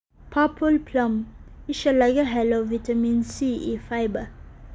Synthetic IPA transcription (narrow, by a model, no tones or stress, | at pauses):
pʰɑpʰəlpʰlɔmɪʃəlɑɡəɦɛloʋɪt̪amiːnsiːʔiːfaɪbə